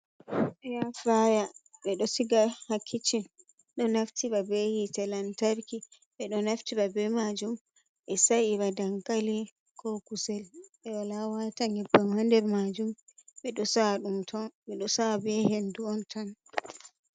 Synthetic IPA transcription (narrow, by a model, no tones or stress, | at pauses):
ɓɛjafɾajaɓɛɗɔsiɡahakʰːit͡ʃin | ɗɔnaftiɓabɛhitɛlantaɾki | ɓɛɗɔnaftiɓabɛmad͡ʒum | ɓɛsaʔiɾadaŋkali | kʰɔkusɛlɓɛwalawataŋibːamhandɛɾmad͡ʒumɓɛɗɔsaɗumtʰɔnɓɛɗɔsabɛhenduɔntʰan